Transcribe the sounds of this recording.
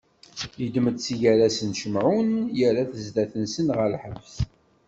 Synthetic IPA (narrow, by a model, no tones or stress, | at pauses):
jəd̪məd̪t͡sːiʝæɾæsənʃəmʕunjəɾaθəzd̪æθənsənʁəlħəvs